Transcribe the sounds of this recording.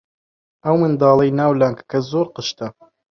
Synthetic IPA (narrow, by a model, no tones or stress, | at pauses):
ʔɐwmɨnd̪ɑːlˠɐjnaːwlaŋkkʰɐzoːɾqɨʃt̪ɐ